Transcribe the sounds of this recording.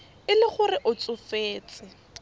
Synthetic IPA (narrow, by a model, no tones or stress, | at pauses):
ɪlɪχʊrɪʔʊt͡sʼʊfeːt͡sʼɪ